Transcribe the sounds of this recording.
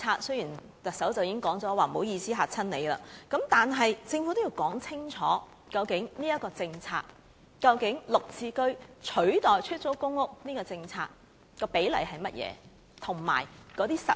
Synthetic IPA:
aː˧t̚sɵ˥ɥjiː˨˩n | t̪ɐ˨k̚sɐ˨˥wt͡sɐ˨wji˨˦ɪ˥ŋkɔː˨˥ŋt͡sɔː˨˥waː˨˩mo˨˧˥wjiː˧siː˨˥ɦaː˨t͡sʰɐ˥nne˨˧jla̰ː˧kɐ˨˥mt̪aː˨nɦɐ˨jt͡sɪ˧ŋfu˨˥t̪o˥jiː˧wkɔː˨˥ŋt͡sʰɪ˥ŋt͡sʰɔ̰ː˨˥ | kɐ˧wkɪ˨˥ŋniː˥jɐ˥t̚kːɔː˧t͡sɪ˧ŋt͡sʰa̰ː˧t̚ | kɐ˧wkɪ˨˥ŋlʊ˨k̚t͡siː˧kɵ˥ɥt͡ʃʰɵ˨˥ɥt̪ɔː˨˩jt͡ʃʰɵ˥t̚t͡so˨˥wkʊ˥ŋːʊ˥k̚niː˥kɔː˧t͡sɪ˧ŋt͡sʰa̰ː˧t̚ | kɔː˧pe˨˥jlɐ̰˨˩jɦɐ˨jmɐ˥t̚jɛ̰ː˨˧˦ | t̪ʰʊ˨˩ŋma̰ː˨˩jkɔː˨˧t̪iː˥sɐ̰˨

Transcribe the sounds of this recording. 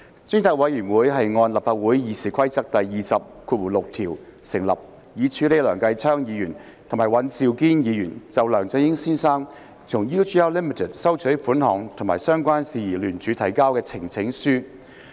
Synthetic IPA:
t͡sʏ˥ŋt̪ʰɐ˧k̚wɐ˨˧jyː˨˩nwuː˨˥jɦɐ˨jŋɔː˧nlɐ˨˩pfaː˧t̚wuː˨˥jjiː˨˥siː˨˩kʷʰɐ˥jt͡sɐ˥k̚t̪ɐ˨jːiː˨sɐ˨p̚kʰuː˧t̚wuː˨˩lʊ˨k̚t̪ʰiː˨˩wsɪ˨˩ŋlɐ̰˨˩p̚ | jiː˨˧t͡ʃʰyː˨˥le˨˧jlœː˨˩ŋkɐ˧jt͡sʰœː˥ŋjiː˨˧jyː˨˩n | t̪ʰʊ˨˩ŋmaː˨˩jwɐ˨˥nsiː˨˧wkiː˥njiː˨˧jyː˨˩nt͡sɐ˨wlœː˨˩ŋt͡sɐ˧jɪ˥ŋsiː˥nsaː˥ŋ | t͡sʰʊ˨˩ŋjuː˥t͡ʃi˥a˥wliː˥mi˨˩t̪ʰɪ˨t̚sɐ˥wt͡ʃʰɵ˨˥fuː˨˥nhɔː˨˩ŋt̪ʰmaː˨˩sœː˥ŋkʷaː˥nsiː˨˧jiː˨˩lyː˨˩nt͡ʃyː˨˧˥t̪ʰɐ˨˩jkaː˥wkɛː˧t͡sʰɪ˨˩ŋt͡sʰɪ˨˥ŋsyː˥

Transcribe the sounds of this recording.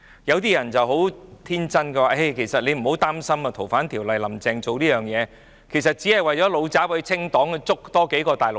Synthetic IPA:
jɐ˨˧wt̪iː˥jɐ˨˩nt͡sɐ˨wɦo˨˥wt̪ʰiː˥nt͡sɐ˥nkɛː˧waː˨ʔe˥˩jkʰe˨˩jsɐ˨t̚le˨˧jm̩˨˩ho˨˥wt̪aː˥msɐ˥mɐ˨˧t̪ʰo˨˩wfaː˨˥nt̪ʰiː˨˩wlɐ˨jlɐ˨˩mt͡sɛː˨˧ŋt͡so˨wliː˥jœː˨ŋjɛː˨˧ | kʰe˨˩sɐ˨t̚t͡siː˨˥hɐ˨jwɐ˨jt͡ɕɔː˨˥lo˨˧wt͡saː˨˥pe˧t͡sʰɪ˥ŋt̪ɔː˨˥ŋ˧t͡sʊ˥k̚t̪ɔː˥ke˨˥jkɔː˧t̪aː˨jlʊ˨

